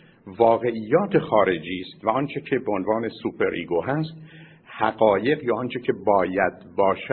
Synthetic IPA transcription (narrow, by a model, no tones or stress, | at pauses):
vɒːɣe̞ʔiːjːɒːt̪ʰexɒːɾe̞d͡ʒiːst̪væɒːnt͡ʃʰe̞cʰebeonvɒːne̞suːpʰe̞ɾʔḭɡoɦæst̪ | hæɣɒːje̞ɣjɒːɒːnt͡ʃʰecʰe̞bɒːjæd̪bɒːʃæ